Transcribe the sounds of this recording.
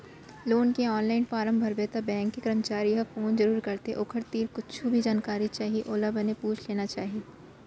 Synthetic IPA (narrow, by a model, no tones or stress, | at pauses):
loːnkeɔːnlaːɪnfaːɾə̃mbʱɐɾbeːt̪abɛ̃ːŋkːekɐɾəmt͡ʃaːɾiɦafoːnzɐɾuːɾkɐɾt̪ḛʔʊkʰəɾt̪iːɾkʊt͡ʃʰubʱid͡ʒaːnkaːɾit͡ʃaːɦieʔoːlabɐnepuːt͡ʃʰleːnat͡ʃaːɦie